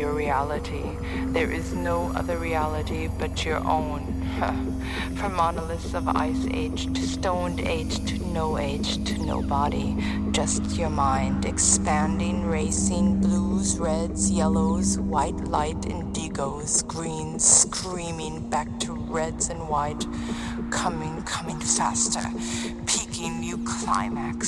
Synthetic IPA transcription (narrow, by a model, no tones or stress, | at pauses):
əɹiælˠəɾi | ðə˞ʔɪznoʊʔʌ̰ðə˞ɹiælˠəɾib̥ʌt͡ʃə̰˞ʔõ̰ʊ̃n | fʰʌ̃mɑnəl̩ˠɨsʌva̰ɪsḛɪ̥d͡ʒdstõʊ̃ndḛɪd̥ʒ̥tʰɨnoʊeɪd̥d͡ʒ̥tʰɨno̰ʊbɑɾi̥ | d͡ʒʌstjə˞mãɪ̃ndɨkspæ̃ndɪ̃ŋɹeɪsɪ̃ŋbluzɹɛdzjɛlˠoʊzwaɪtˡlaɪɾɨ̰̃ndɪɡoʊz̥ɡɹĩnz̥skʰɹĩmɪ̃ŋbæk̚tʰə | ɹɛdz̥ɨ̃nwaɪt | kʰʌmɪ̃ŋkʰʌmɪ̃ŋfæ̰stə̰˞ | pʰikɪ̃ŋ | ɨkʰl̥ã̰ɪ̃mæks